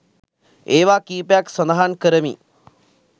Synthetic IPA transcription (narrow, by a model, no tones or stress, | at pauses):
eːʋaːkiːpejaksɐnd̪əɦankəɾəmḭ